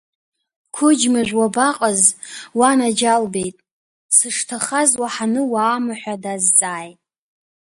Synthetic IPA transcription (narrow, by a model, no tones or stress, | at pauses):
kʷʰʊd͡ʒmaʒᶣʷwabaqʼəzwanad͡ʒalbe̞jtʼ | sɨʂtʰaχazwaħanɨwaːmaħʷᶣadazt͡sʼaːjtʼ